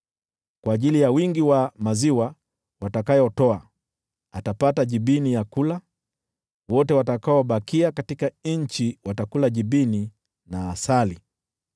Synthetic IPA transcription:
kwaːʄilijawiŋɡiwamaziwa | watakajɔtɔa | atapataʄiɓinijakula | wɔtɛwatakaɔɓakiakatikaɲ̩t͡ʃiwatakulaʄiɓini | naːsali

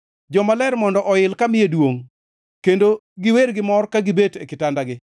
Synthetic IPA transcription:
d͡ʒɔmalɛrmɔndɔʔɔɪlkamɪjedwoŋ | kendo | ɡɪweɾɡɪmɔrkaɡɪbetekɪtandaɡɪ

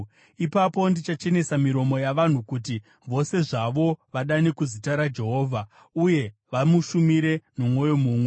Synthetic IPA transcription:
ipapo̞ndit͡ʃat͡ʃe̞ne̞samiɾo̞mo̞jaʋan̤ukuti | ʋo̞se̞ʐaʋo̞ʋaɗanekuzitaɾad͡ʒe̞ɦo̞ːvʱa | uje̞ʋamuʃumiɾe̞nomwo̞jo̞muːmwe

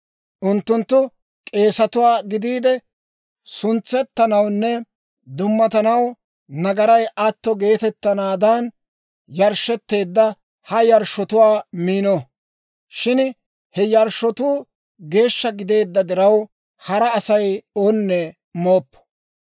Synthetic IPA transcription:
ʔʊnt̪ːʊnt̪ːʊ | kʼe̞ːsɐt̪ʊwaːɡɪd̪iːd̪ɛ | sʊnt͡sːɛt̪ːɐnɐwnːɛ | d̪ʊmːɐt̪ɐnɐw | nɐɡɐɾɐjʔɐt̪ːɔɡe̞ːt̪ɛt̪ːɐnaːd̪ɐn | jɐɾʃːɛt̪ːe̞ːd̪ːɐ | hɐjɐɾʃɔt̪ʊwaːmiːnɔ | ʃɪn | hɛjɐɾʃɔt̪uː | ɡe̞ːʃːɐɡɪd̪e̞ːd̪ːɐd̪ɪɾɐw | hɐɾɐːsɐjonːɛ | mo̞ːpːɔ̥

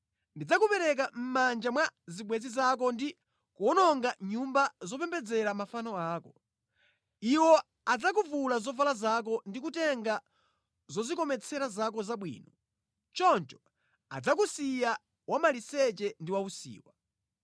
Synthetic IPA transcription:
ndid͡zakupɛɾɛk̬am̩mand͡ʒamwaziɓwɛzizak̬ɔndi | kuɔnɔŋɡaɲumbazɔpɛmbɛd͡zɛɾamafanɔaːkɔ | iwɔ | ad͡zakuvulazɔvalazak̬ɔndikutɛŋɡa | zɔzikɔmɛt͡sʰɛɾazakɔzaɓwḭːnɔ | t͡ʃɔnt͡ʃɔ̥ | a̰d͡zakusija | wamalisɛt͡ʃɛndiwausḭːwa

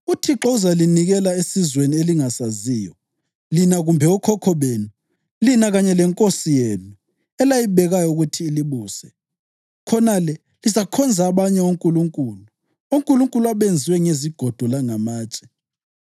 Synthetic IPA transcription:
utʰiǁɔuzaliniɣɛlaesizwenieliŋasaziːjɔ | linaɣumbʱɛɔkʰɔkʰɔβenu | linaɣaɲɛlɛŋkʼosijeːnu | ɛlajiβɛɣajɔuɣutʰiːliβuːsɛ | kʰɔnalɛ | lizakʰɔnd͡zʱaːβaɲɛoŋkʼuluŋkʼuːlu | uŋkʼuluŋkʼuluaβend͡zʱiwɛŋeziɡ̥ʱɔd̥ʱɔlaŋamaːt͡ʃʼɛ̥

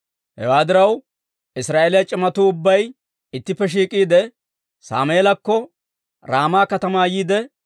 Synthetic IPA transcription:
hɛ̰waːd̪ɪɾɐw | ɪsɾaːʔeːlɪjɐt͡ʃʼɪmɐt̪uːʊbːɐj | ɪt̪ːɪpːɛʃ̬iːkʼiːd̪ɛ | sa̰ːmeːlɐkːɔ | ɾaːmaːkɐt̪ɐmaːjiːd̪ɛ

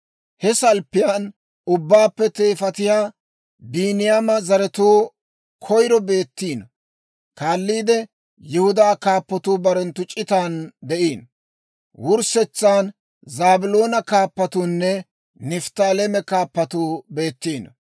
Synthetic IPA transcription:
hɛsɐlpːɪjan | ʊbːaːpːɛt̪e̞ːfɐt̪ɪjaː | biːnɪjaːmɐzɐɾɛt̪uː | kʰɔjɾɔbe̞ːt̪ːiːn | kaːlːiːd̪ɛ | jɪhʊd̪aːkaːpːɔt̪uːbɐɾɛnt̪ːʊt͡ʃʼːɪt̪aːnd̪ɛʔiːn | wʊɾsɛt͡sːaːn | zaːbʊloːnɐkaːpːɐt̪uːnːɛ | nɪft̪aːlemɛkaːpːɐt̪uːbe̞ːt̪ːiːn

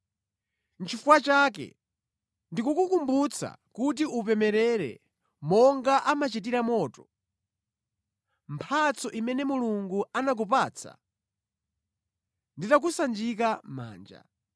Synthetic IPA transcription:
n̩t͡ʃʰifuwat͡ʃak̬ɛ̰ | ndikukukumbut͡sʰa̰kut̬iʔup̬ɛmɛɾɛɾɛ̰ | mɔŋɡaʔamat͡ʃit̬iɾamɔːtɔ̥ | mpʰat͡sʰɔʔimɛnɛmuluŋɡuanak̬upaːt͡sʰa̰ | nditak̬usand͡ʒik̬ama̰ːnd͡ʒa̰

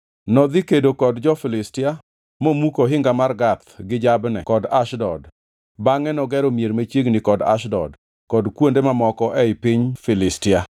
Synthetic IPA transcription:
nɔd̪ɪkedokɔdd͡ʒɔfɪlɪstɪa | momukoɦɪŋɡamarɡat̪̚ɡɪd͡ʒabnɛ̰kɔdaʃdɔd | baŋɛnɔɡɛɾomjeɾmat͡ʃeɡnɪkɔda̰ʃdɔ̰d | kɔdkwondemamɔkɔʔɛɪpiɲfɪlɪstɪa

